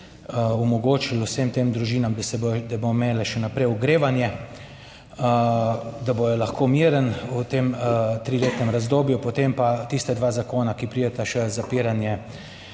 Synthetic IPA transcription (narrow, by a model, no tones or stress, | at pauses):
ɔmɔɡoːt͡ʃilusemt̪eːmd̪ɾuʒiːnamd̪sɛbd̪ɛbomeːlɛʃɛnapɾɛjʊɡɾeːʋanjɛ | d̪abojɛlaxkʰoːmiːɾənut̪eːmt̪ɾiːleːt̪nɛmɾazd̪oːbjupɔt̪empat̪ist̪ɛd̪ʋaːzakoːnakipɾiːd̪ɛt̪aʃɛzapiːɾanjɛ